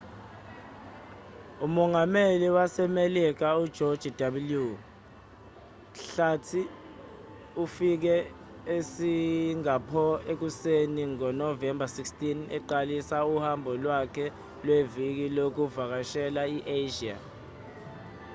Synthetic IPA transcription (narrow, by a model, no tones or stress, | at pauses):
umɔŋameliwasɛmelik̬aud̥ʒ̥ʱɔd̥d͡ʒ̥ʱid̥aɓulju | ɬatʰi | ufik̬ɛ | esiŋapʰɔek̬useniŋɔnɔvɛmbʱasikstʰʼinɛǃalisauhambʱɔlwakʰɛ | lwevik̬ilok̬uvak̬aʃɛlaiʔeʒia̰